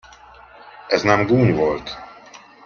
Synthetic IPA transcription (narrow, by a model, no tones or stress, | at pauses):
ɛznɛmɡuːɲvo̞lt̪